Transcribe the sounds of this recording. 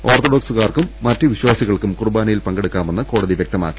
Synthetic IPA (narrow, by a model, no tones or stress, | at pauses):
o̞ːrt̪oɖoːksuɣaːrkumːɐtːɨʋiɕwaːsiɣɐɭkumkurbaːnijilpɐŋɡeɽukːaːme̞nːɨko̞ːɽɐðiʋjɐk̚t̪ɐma̰ːkːi̥